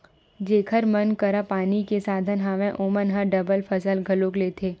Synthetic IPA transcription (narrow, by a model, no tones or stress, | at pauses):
d͡ʒeːkʰəɾmənkəɾapaːnikesaːd̪ʱənɦaːʋẽʔoːmənɦãɖɐbəlfʰəsəlɡʱɐloːkleːt̪ʰeː